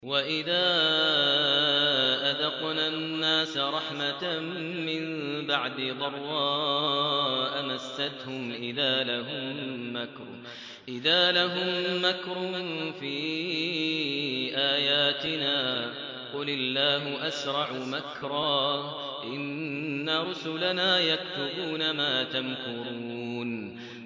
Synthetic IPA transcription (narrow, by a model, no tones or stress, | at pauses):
waʔɪðaː | ʔad̪ɑqnaːnːaːsaɾˤɑħmatː | ɪmbaʕd̪ɪd̪ˤɑrˤːɑː | ʔamasːat̪hʊmʔɪðaːlahʊmːakɾˤ | ʔɪðaːlaɦʊmːakɾʊfiː | ʔaːjaːt̪ɪnaː | qʊlɪlːaːɦʊʔasɾˤɑʕmakɾˤɑː | ʔɪnːaɾˤʊsʊlanaːjakt̪ʊbuːnamaːt̪amkʊɾuun